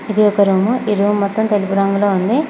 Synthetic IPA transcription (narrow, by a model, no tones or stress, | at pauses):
id̪iɔkɐɾuːmuʔiɾuːmːɔt̪ːɐmt̪e̞lipuɾɐŋɡulo̞ːund̪i